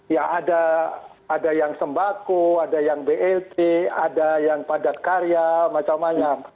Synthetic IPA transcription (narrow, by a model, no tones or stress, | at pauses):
jaadaː | dajaŋsəmbakuadajaŋbeʔɛlt̪eadajaŋpadat̪̚kaɾijamat͡ʃamːaɲam